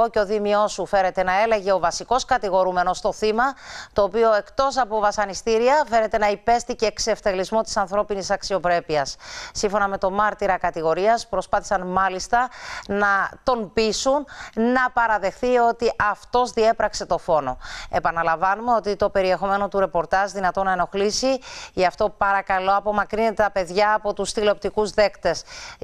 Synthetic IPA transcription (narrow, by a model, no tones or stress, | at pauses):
oceo̞ðimio̞sufe̞ɾe̞t̪e̞nɐe̞le̞ʝe̞o̞vɐsiko̞skɐt̪iɣo̞ɾume̞no̞st̪o̞θimɐt̪o̞ːpio̞e̞kt̪o̞sɐpo̞vɐsɐnist̪iɾiɐfe̞ɾe̞t̪e̞nɐipe̞st̪ice̞ːkse̞ft̪e̞lizmo̞t̪i̥sɐnθɾo̞pinisɐksio̞pɾe̞piɐsːiɱfo̞nɐme̞t̪o̞mɐɾt̪iɾɐkɐt̪iɣo̞ɾiɐspɾo̞spɐθisɐnmɐlist̪ɐnɐt̪o̞nbisunnɐpɐɾɐðe̞xθio̞t̪iʔɐft̪o̞zðie̞pɾɐkse̞t̪o̞fo̞no̞̰e̞pɐnɐlɐvɐnume̞o̞t̪it̪o̞pe̞ɾie̞xo̞me̞no̞t̪uɾe̞po̞ɾt̪ɐʒðinɐt̪o̞nɐeno̞xlisiɐft̪o̞pɐɾɐkɐlo̞ɐpo̞mɐkɾine̞t̪et̪ɐpe̞ðʝɐːpo̞t̪ust̪ileo̞p̚t̪ikuzðe̞kt̪e̞s